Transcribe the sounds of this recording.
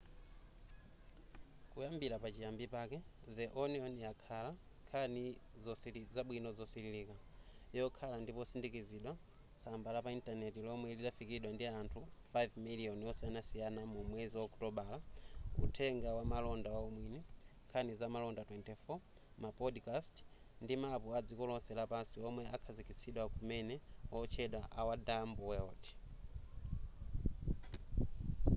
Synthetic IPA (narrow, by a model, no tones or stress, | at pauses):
kujambiɾapat͡ʃijambipakɛðɛʔɔniɔnjakʰala | kʰanizɔsiizaɓwinɔzɔsililika | jɔkʰalandipɔsindikiziɗwa | sambalapaintanɛtilɔmwɛliɗafikiɗwandiantʰufajvmilijɔnjɔsianasijanamumwɛziwaːktɔɓalaṵtʰɛŋɡawamalɔndawaumwiniŋkʰanizamalɔndatwɛntɛfɔ | mapɔdkast | ndimapuad͡zikɔlɔsɛlapansiɔmwɛʔakʰazikit͡siɗwakumɛnɛɔt͡ʃʰɛɗwaʔawadambɔwɛɔːti̥